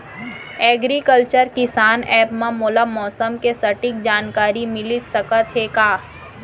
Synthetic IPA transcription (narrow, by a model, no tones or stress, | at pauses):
ɛːɡɾikəlt͡ʃəɾkɪsaːnɛːpmãmoːlamɔːsəmkesɐʈɪk̚d͡ʒaːnkaːɾimɪlisɐkət̪ɦekaː